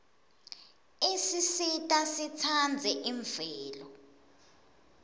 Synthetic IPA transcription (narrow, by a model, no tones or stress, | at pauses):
esisitʼasit͡sʰand͡zʱɛʔiɱvɛːlɔ